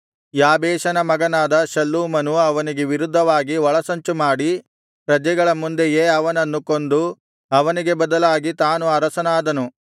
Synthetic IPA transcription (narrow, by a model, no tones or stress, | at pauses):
jaːbɛːʃɐnɐmɐɡɐnaːd̪ɐʃɐlːuːmɐnuɐʋɐniɡeʋiɾud̪ʱːɐʋaːɡiʋɐɭɐsɐɲt͡ʃumaːɽi | pɾɐd͡ʒɛɡɐɭɐmund̪ejeːɐʋɐnɐnːukond̪u | ɐʋɐniɡe̞bɐd̪ɐlaːɡit̪aːnuɐɾɐsɐnaːd̪ɐnu